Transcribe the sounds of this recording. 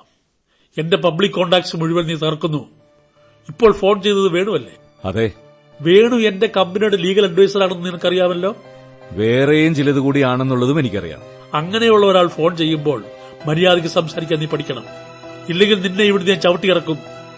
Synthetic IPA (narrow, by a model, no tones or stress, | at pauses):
e̞nde̞p̬ɐbɭikʲːo̞ːɳɖaːksɨmuɻiʋɐlniːt̪ɐrɐkːunːu | ipːo̞ːɭfo̞ːɳt͡ɕe̞jnːɐðɨʋe̞ːɳuʋɐlːe̞̰ | ɐ̰ðe̞ | ʋe̞ːɳue̞nde̞kɐmbineɽɨliːɣɐlɐɳɖʋejsɐɾaːɳenːniŋːɐɭkːɐrijaːmɐlːo̞ː | ʋeːrejumt͡ɕilɐðukuːɽiaːɳenːuɭːɐðume̞nikʲːɐ̰rḭja̰ːm | ɐŋːɐne̞juɭːɐoɾaːɭfo̞ːɳt͡ɕe̞jːumbo̞ːɭ | mɐɾijaːðik̬ʲːɨsɐmsaːɾikʲːaːnːiːpːɐʈʰikʲːɐɳɐ̰m | ilːe̞ŋɡilninːe̞iʋiɽunaːnt͡ɕɐʋɐʈːikɐrɐkːum